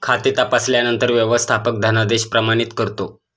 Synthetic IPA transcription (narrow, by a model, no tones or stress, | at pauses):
kʰat̪et̪apasljanənt̪əɾʋjəʋəst̪ʰapək̚d̪ʱənad̪eɕpɾəmañit̪kəɾt̪o